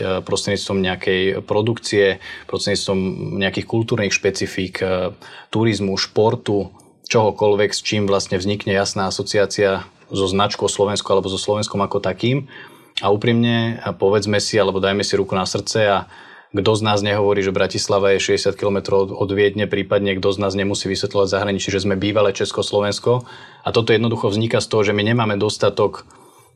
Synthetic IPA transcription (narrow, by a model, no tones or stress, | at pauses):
pɾɔst̪ɾɛɲit͡st̪ʋɔmɲɛakɛjpɾɔd̪ukt͡siɛpɾɔst̪ɾɛɲit͡st̪ʋɔmɲɛakiːxkult̪uːɾniːxʃpɛt͡sifiːkʰt̪uɾizmuʃpɔɾt̪u | t͡ʃɔɦɔkɔlʋɛkst͡ʃiːmʋlast̪ɲɛvzɲikɲɛjasnaːasɔt͡siaːt͡sia | zɔznat͡ʃkuɔslɔʋɛnskualɛbɔzɔslɔʋɛnskɔmakɔt̪akiːm | auːpɾimɲɛpɔʋɛd͡zmɛsialɛbɔd̪ajmɛsiɾukunasr̩t͡sɛa | ɡd̪ɔznaːzɲɛɦɔʋɔɾiːʒɛbɾacislaʋajɛʃɛɟɛsɪat̪̚kilɔmɛt̪ɾɔʊɔd̪ʋɪɛd̪ɲɛpɾiːpad̪ɲɛɡd̪ɔznaːzɲɛmusiːʋisʋɛt̪lɔʋaɟzaɦɾaɲit͡ʃiʒɛzmɛbiːʋalɛt͡ʃɛskɔslɔʋɛnskɔat̪ɔt̪ɔjɛd̪nɔd̪uxɔvzɲikast̪ɔɦɔʒɛmiɲɛmaːmɛd̪ɔst̪at̪ɔk